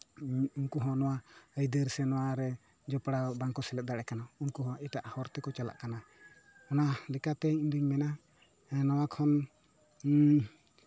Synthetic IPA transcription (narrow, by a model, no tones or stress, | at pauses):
unkuɦɔ̃nɔwaəjd̪əɾsɛnɔwaɾɛ | d͡ʒɔpɽabaŋkɔsɛlɛt̪̚d̪aɽɛkanaunkuɦɔ̃iʈaʔhɔɾt̪ɛkɔt͡ʃala̰ʔkana | ɔnalɛkat̪ɛimd̪uɲmɛna | nɔwakʰɔn